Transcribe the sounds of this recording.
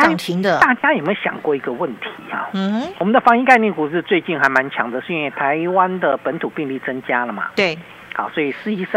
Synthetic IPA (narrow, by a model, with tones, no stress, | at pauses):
t̪ʰi˧˥ŋd̪ə˧t̪a˥˩t͡ɕja˥jɛ˨˩mə˧˥ɕjɑ̰˨˩ŋkwɔ˥˩i˧˥ɡə˧wə˥˨˩nt̪ʰi˨˧˥a̰˨˩˨wɔ˨˩mə˦nd̪ə˧fɑ˧˥ŋi˥˧ka˥˧ɪnjɛ˥˩ku˨˩t͡sɻ̩˥˧t͡swe˥˧ɪt͡ɕi˥˩nxa˧˥ɪma˧˦nt͡ɕʰjɑ˧˥ŋd̪ə˨ʂ̩˥˧i˥nwe˥˩ɪt̪ʰa˧˥ɪwa˦nd̪ə˨pə˧˥nt̪ʰu˨˩pi˥˧ŋli˥˩t͡sə˥ŋt͡ɕja˥lə˨˩mɐ̰˩t̪e˥˩ | hɑ̰˥˩swɔ˧˥i˨˩ʂɻ̩˥˧i˧˥s